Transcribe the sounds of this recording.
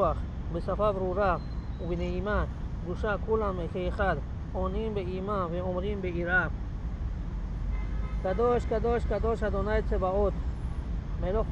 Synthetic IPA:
aχ | besafabɾuɾa | ubineimaɡuʃakʰulamːekʰeχad̪ | ɔninbeimaveɔmɾinbeiɾa | ɡ̥ad̪ɔʃkad̪ɔʃkad̪ɔʃad̪ɔnajt͡sebaɔt̪ | melɔχ

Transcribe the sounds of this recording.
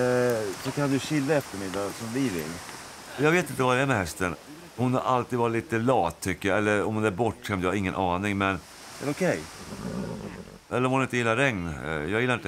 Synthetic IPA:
sɔkʰand̪ɵɕɪlːaɛft̪əɾmɪd̪ːasɔmd̪ɪvɪ̰lː | jɑɡveːt̪ɪnt̪əvad̪ɛæɾmɛhɛst̪ən | hʊnha̰ɾʔalt̪id̪vɑɾɪt̪liːt̪əlɑːt̪ʰːʏkːəjaɛlːəɾɔmhʊnæɾbɔʈːʂɛmd̪jəhaɾɪŋːənʔɑːnɪŋmɛn | ɛɾʊkʰɛj | ʔɛlːəɾɔmhʊnɪnt̪əjɪlːaɾɛŋnjɑːɡjɪlːaɪnt̪

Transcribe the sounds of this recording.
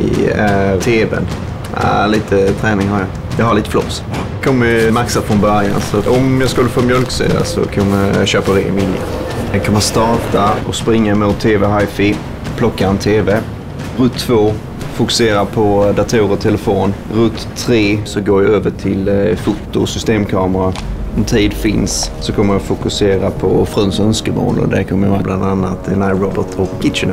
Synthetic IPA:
ɪ̰æɾt̪ʰeːvɛ̰n | a̰liːt̪ʰət̪ʰɾɛːnɪŋhaɾja | jɑhaɾɭiːt̪ə̥flɔ̰s | kʰɔmːəmaksad̪fɾɔnbœɾja̰nsɔɔmjɑskɵlːəfoːmjœlksy̰ːd̪a̰sɔ̰kʰɔməɕøːpaɾḛmvɪljə̰ɛkʰɔmːəst̪ɑːʈaɔspɾɪŋːamʊt̪ʰːeːvɛhaɪfɪ | pʰlɔkːaɛnt̪ʰeːve | ɾɵt̪ʰːvoː | fʊkɵ̥seːɾapʰɔd̪at̪ʰuːɾɔt̪ʰɛləfoːnɾɵt̪ʰːɾeːsɔɡoːɾjaøːvəʈʰɪlfut̪ːʊsʏst̪eːmkʰɑːməɾaɔmt̪ʰiːd̪fɪnssɔkʰɔmːəjafʊkɵseːɾapʰɔfɾɔnsœnskəmo̰ːlɔ̰d̪ɛkʰɔmːəɔblʔand̪anːat̪̚d̪ɛnajɾɔbət̪ʰɔkːɪt̪ʃən

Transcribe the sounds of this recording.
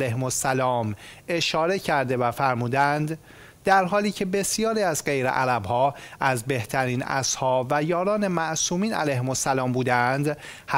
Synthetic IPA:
læjɦemosːælɒːme̞ʃɒːɾe̞cʰæɾd̪e̞væfæɾmuːd̪ænd̪ | d̪æɾɦɒːliːcʰe̞be̞sijɒːɾiːæzɢe̞jɾḛʔæɾæbhɒːʔæzbe̞ht̪ʰæɾiːnæ̰shɒːbvæjɒːɾɒːne̞mæʔsuːmiːnæ̰læjhemosːælɒːmbuːd̪ænd̪ | h

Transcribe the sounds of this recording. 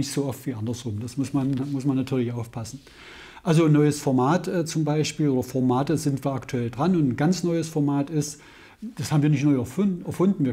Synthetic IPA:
nɪçtz̥oːʔɔftv̥iːʔandɐsʁʊmd̥asmʊsmanmʊsmanːatʰyːɐlɪçʔaʊfpʰasn̩ | ʔalzonːɔʏəsfɔɐmaːtɛːt͡sʊmbaɪʃpiːlʔoːdɐfɔɐmaːtəzɪntv̥iːɐaktʰuɛldʁanʊntn̩ɡant͡snɔʏəsfɔɐmaːtɪst | d̥ashaːbmviːɐnɪçtnɔʏɛɛɐfʊndn̩viːɐ

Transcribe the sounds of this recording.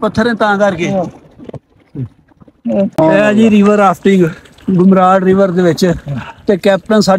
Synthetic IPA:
pət̪ʰːəɾẽːt̪ãːkəɾkeː | ɛːd͡ʒiːɾɪʋəɾaːpʰʈɪŋɡ | ɡʊmɾaːɽɾɪʋəɾd̪eːʋɪt͡ʃt̪eːkɛːp̚ʈənsaː

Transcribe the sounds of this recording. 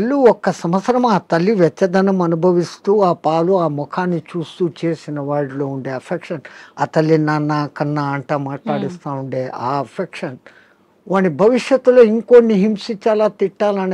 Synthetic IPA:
ɐlːuɔkːɐsɐmɐt̪sɐɾɐmaːt̪ɐlːiʋɛt̪ːɐd̪ɐnɐmɐnubʱɐʋist̪uːaːpaːluaːmɔkʰaːnːit͡ʃuːst̪uːt͡ʃeːsinɐʋaːɽilo̞ːuɳɖeːɐpʰekʂɐna̰ːt̪ɐlːinaːnːaːkɐnːaɐɳʈaːmaːʈlaːɽist̪aːnuɳɖeːʔaːɐpʰekʂɐn | ʋaːnːibʱɐʋiʂjɐt̪ːuloːiŋkonːiɦimsit͡ʃːaːlaːt̪iʈːaːlɐn

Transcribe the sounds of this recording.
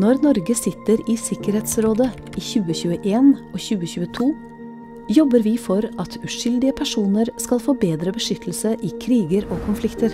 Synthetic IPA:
nɔɾnɔɾɡəsɪt̪ːəɾiːsɪkəɾheːt̪sɾoːd̪ə | ʔiːçʉːəçʉːəʔeːnoːçʉːəçʉːət̪ʰuː | jɔbəɾʋɪfɔɾɑt̪ʰʉʂʏld̪ɪəpʰæʂuːnəɾskɑlfoːbeːd̪ɾəbəʂʏt̪ʰl̩səʔɪːkʰɾiːɡəɾoːkʰʊnflɪkt̪əɾ

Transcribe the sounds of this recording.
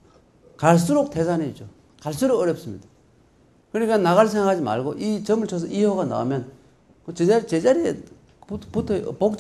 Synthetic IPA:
kaɭs͈uɾok̚tʰes̬ʰaneid͡ʑo | kaɭs͈uɾokʌɾjʌp̚s͈ɯmɲid̥ḁ | kɯnik͈anaɣaɭs̬ʰeŋakʰad͡ʑima̰ɭɡoʔit͡ɕʌmɯɭt͡ɕʰʌs̬ʰʌʔiɦoɣana̰ṵmjʌn | kɯt͡ɕeaɾt͡ɕed͡ʑaɾie | puputʰpok̚t͡ɕ

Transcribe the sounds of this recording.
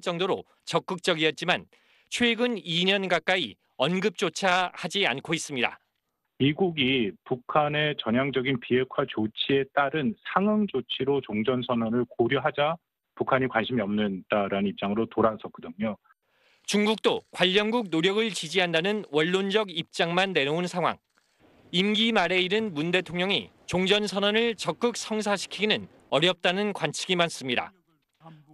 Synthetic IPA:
t͡ɕ͈ʌŋdoɾo̰ | t͡ɕʌk͈ɯk̚t͡ɕ͈ʌɡiʌt̚t͡ɕ͈iman | t͡ɕʰweɡɯniɲʌnɡak͈ai | ʌnɡɯp̚t͡ɕ͈ot͡ɕʰahad͡ʑiankʰois͈ɯmɲida̰ | miɡuɡipukʰane̞t͡ɕʌɲjaŋd͡ʑʌɡinpiɦe̞kʰwat͡ɕot͡ɕʰie̞t͈aɾɯnsʰaŋɯŋd͡ʑot͡ɕʰiɾot͡ɕoŋd͡ʑʌnsʰʌnwʌnɯɭkoɾjoɦad͡ʑa | pukʰaɲikwanɕʰimiʌmnɯnd̥aɾanɯnip̚t͡ɕ͈aŋɯɾotoɾasʰʌk͈ɯdɯɲo | t͡ɕuŋɡuk̚t͈okwaʎːʌnɡuk̚noɾjʌɡɯɭt͡ɕid͡ʑiɦandanɯnwʌɭːond͡ʑʌɡip̚t͡ɕ͈aŋmanːe̞ɾounsʰaŋɦwa̰ŋ | imɡimaɾe̞iɾɯnmunde̞tʰoŋɲʌŋḭ | t͡ɕoŋd͡ʑʌnsʰʌnʌnɯɭt͡ɕʌk͈̚ɯk̚s͈ʰʌŋs̬ʰaɕʰi̥kʰinɯn | ʌɾjʌp̚t͈anɯnkwant͡ɕʰiɡimans͈ɯmɲida̰

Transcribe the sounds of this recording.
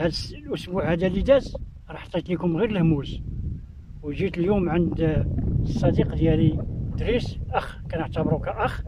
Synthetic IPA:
hæd̪slʔʊsbuʕhæd̪ælid̪æz | ɾˤɑħɑ̥t̪ːˤɑt̪likʊmɣiɾlhmuz | wʒit̪əljumʕənd̪ | sˤːɑd̪iqd̪jælid̪ɾisʔæxkænəʕt̪əbɾukæʔæx

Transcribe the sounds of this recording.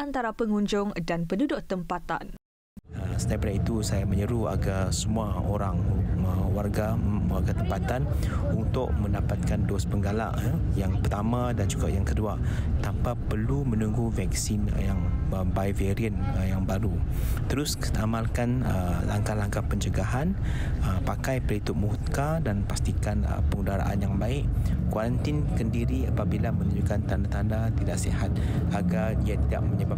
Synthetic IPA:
ant̪aɾapəŋuɲd͡ʒʊŋdanpəndudʊʔ̚t̪əmpat̪a̰n | əsə̥t̪ajpəɾait̪usajamə̃ɲəɾua̰ɡarsəmuaoɾaŋəwarɡawarɡat̪əmpat̪an | unt̪ʊʔ̚mə̃ndapat̪̚kandospəŋɡala̰ʔ | jaŋpərt̪amãdand͡ʒuɡaʔjaŋkədua | t̪ampapərlumə̃nuŋɡuvɛksinjaŋəbajveɾiən | jaŋbaɾut̪əɾʊs | amalkanə̰laŋkalaŋkapəɲt͡ʃəɡaɦan | əpakajpəlit̪ʊʔ̚muhut̪̚kadanpast̪ikanə̰pəŋudaɾa̰ʔa̰njaŋbaɪʔkwaɾant̪inkəndiɾiapabilamə̃nuɲd͡ʒukant̪andat̪andat̪idaʔsehat̪̚ | aɡadiat̪ida̰ʔ̚məɲəba

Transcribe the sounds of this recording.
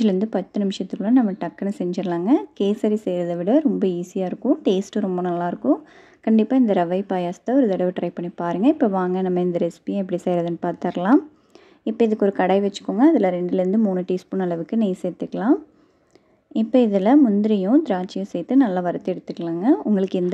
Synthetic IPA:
ɪlɾɯnd̪ɯpɐt̪ːɯnɪmɪʂjɐt̪ːɯkːɯɭɐ̃nɐmːɐʈɐkːɐnːɯsɛɲd͡ʒɪɾlaːŋɡɐkeːsɐɾisɛjɾɐðɐʋɪɽɐɾɔmbɐiːsɪjaːɪɾɯkːʊ̃ʈeːsʈɯɾɔmbɐnɐlːaːɪɾɯkːʊ̃ | kɐɳɖɪpːaːɪnd̪ɐɾɐʋɐɪpaːjaːst̪ɐɔɾɯd̪ɐɽɐʋɯʈɾɐɪpɐɳːipaːɾɯŋɡɐɪpːoːʋaːŋɡɐnɐmːɐɪnd̪ɐɾɛspijʊ̃ɛp̬ːɐɽisɛjɾɐðɛnːɯpaːɾt̪ɐɾɐlãːm | ɪpːoːɪðɯkːɔɾɯkɐɽɐɪʋɛt͡ʃːɯ̥kːoːŋɡɐːðɪlɐɾɛɳɖɯlɪɾɯnd̪ɯmuːnɯʈːispʊnɐlɐʋɯkːɯnejsɛjt̪ːɯkːɐɭãːm | ɪpːoɪðɪlɐmʊnd̪ɪɾɪjʊ̃d̪ɪɾaːt͡ʃːɪjʊ̃sɛjt̪ːɯnɐlːaːʋɐɾɐt̪ːɯɛɽɯt̪ːɯkːɐɭaːŋɡɐʊŋɡɐɭɯkːɪnd̪

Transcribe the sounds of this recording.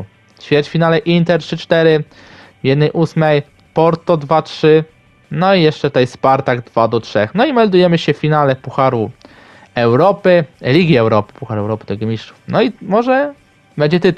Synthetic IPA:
ɕfʲjɛt͡ɕfʲinalɛʔint̪ɛɾtʂɘt͡ʂt̪ɛɾɘ | vʲjɛd̪nɛjʔusmɛj | pɔɾt̪ɔd̪vatʂɘ | nɔijɛʂt͡ʂɛtt̪ɛjspaɾt̪aɡd̪vad̪ɔtʂɛxnɔimɛld̪ujɛmɘɕɛfʲinalɛpuxaɾu | ɛwɾɔpɘlʲiɡʲiɛwɾɔpɘ̥puxaɾɛwɾɔpɘt̪ɔjɡɔmʲisʂtʂu̥fnɔimɔʐɛ | bɛɲd͡ʑɛt̪ɘt̪u

